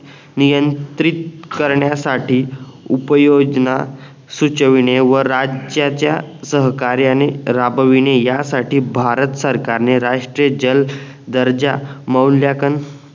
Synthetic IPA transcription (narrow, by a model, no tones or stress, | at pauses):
nijənt̪ɾit̪̚kəɾɳjasaʈiːupəjod͡ʑna | sut͡ɕəʋiɳeʋəɾad͡ʑjat͡ɕjasəɦkaɾjaneɾabəʋiɳ̃ejasaʈiːbʱaɾət̪səɾkaɾneɾaʂʈɾijəd͡ʑəl | d̪əɾd͡ʑaməwljakən